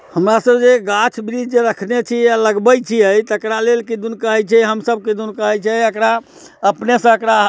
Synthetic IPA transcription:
həmɾasəbd͡ʒeɡat͡ʃʰbɾid͡ʒd͡ʒeɾəkʰnet͡ʃʰijaləɡbəjt͡ʃʰiəjt̪əkɾalelkid̪unkəɦɛt͡ʃʰɛɦəmsəb̚kid̪unkəɦɛt͡ʃʰɛəkɾa | əpnesə̃əkɾa

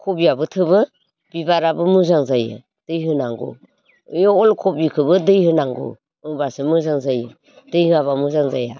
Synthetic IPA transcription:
kʰobiabɯtʰɯβɯ | b̥ibaɾabɯmuzaŋzajɯ̰ | d̥ɯjɦɯnaŋɡo̰ | jɔɔlkʰobikʰɯbɯdɯjhɯnaŋɡo̰ | ɯbasɯmɯzaŋzajɯ | d̥ɯjhɯaβamuzaŋza̰ja̰

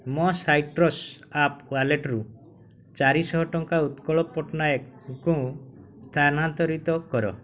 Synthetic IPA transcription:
mɔsajʈɾɔsapwaleʈɾu | t͡ʃaɾisɔɦɔʈɔŋkaut̪kɔɭɔpɔʈnajekũ | st̪ʰanant̪ɔɾit̪ɔkɔɾɔ̰

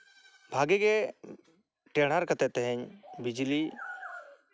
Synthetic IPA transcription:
bʱaɡɛɡɛ | ʈɛɽ̤aɾkət̪ɛt̪ɛɦɛɲbid͡ʒli

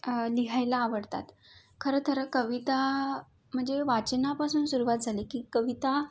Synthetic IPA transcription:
liɦajlaːʋəɽt̪a̰t̪ | kʰəɾət̪ʰəɾəkəʋit̪a | m̤əɳd͡zeʋat͡ɕnapasuːnsuɾuʋat̪̚d͡zʱalekiːkəʋit̪a

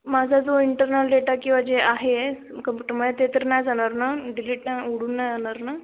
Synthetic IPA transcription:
mad͡zʱad͡zoiɳʈəɾnəlɖeʈakĩw̃ʋad͡ʑeaɦe | kəmpjuʈəɾməat̪et̪əɾnajd͡zaɽ̃aɾnaɖiliːʈnauɽuːnːajd͡zaɽ̃aɾna

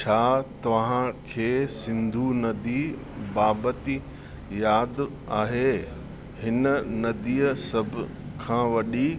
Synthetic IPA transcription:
t͡ɕʰaːt̪ɐʋ̤ãkʰeːsɪ̃nd̪ʱunɐd̪i | baːbət̪i | jaːd̪ | aːɦeː | hɪnə̆nɐd̪iːəsɐbʱʊ | kʰãːʋɐɗi

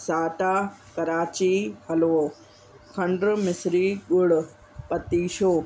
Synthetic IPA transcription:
saːʈakɐɾaːt͡ɕiɦɐloː | kʰɐ̃ɳɖɾmɪsɾiɠʊɽ | pɐt̪iːʃoː

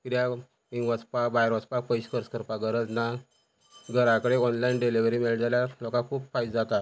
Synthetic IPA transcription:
kiɾja | iŋɡʋət͡spabajɾʋət͡spak̚pəjɕkəɾskəɾpaɡəɾəd͡zna | ɡəɾãkəɽeɔnlainɖeliʋɾimeɭʈd͡zaljalɔkãkʰuːpfajd͡zat̪a

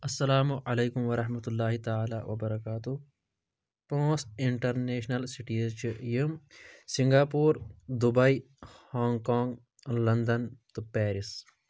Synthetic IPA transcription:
ɐsːɐlaːmuʔɐleːkumʋɐɾɐħmɐt̪ulːaːɦit̪aaːla̰ːʋɐ̰bɐɾɐkaːt̪u | põːsiɳʈɐɾneːʃnɐlsiʈiːzt͡ʃʰijimsĩŋɡaːpuːɾd̪ubɐi | haːŋɡkãːŋɡ | lɐnd̪ɐnt̪upɛːɾis

